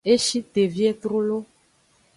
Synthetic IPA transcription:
e˦ʃi˦t̪e˨vi˦e˦t̪ɾo˦lo˦

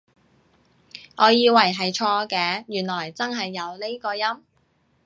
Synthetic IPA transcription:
ʔɔː˨˧jiː˧wɐ˨˩jɦɐ˨jt͡ʃʰɔː˧kɛː˧jyː˨˩nlɔː˨˩jt͡sɐ˥nɦɐ˨jːɐ˨˧wle˥kɔː˧jɐ˥m

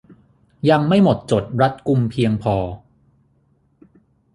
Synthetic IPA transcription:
ja˧ŋma˥˩jmo˨˩t̪̚t͡ɕo˨˩t̪̚ɾa˦˥t̪̚ku˧mpʰi˧əŋpʰɔː˧

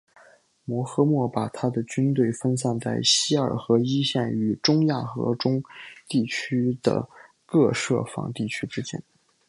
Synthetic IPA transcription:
mwɔ˧˥xɤ˥mwɔ˥˩pa˨˩t̪ʰa˥d̪ə˨t͡ɕy˥nt̪we˥˩ɪfə˥ns̬a˥˧nt͡sa˥˩ɪɕi˥ə̰˞˨˩xɤ˧˥i˥ɕjɛ˥˩ny˧˩ʈ͡ʂʊ˥ŋja˥˩xɤ̰˧˥ʈ͡ʂʊ˥ŋt̪i˥˩t͡ɕʰy˥d̪̥ə̰˧˩ | kɤ˥˧ʂɤ̰˥˩fɑ̰˧˥ŋt̪i˥˩t͡ɕʰy˥ʈ͡ʂɻ̩˥t͡ɕjɛ̰˥n

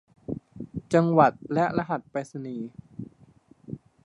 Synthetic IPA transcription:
t͡ɕa˧ŋwa˨˩t̪̚lɛ˦˥ʔɾa˧ɦa˨˩t̪̚pa˧sa˧niː˨˦

